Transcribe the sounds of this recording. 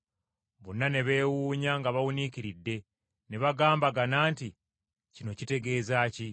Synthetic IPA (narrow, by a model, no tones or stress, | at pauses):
βonːane̞βe̞ːwuːɲaŋɡaβawunikiɾidːe̞ | neβaɡaːmbaɡanaːnti | cino̞cite̞ɡe̞ːzaːci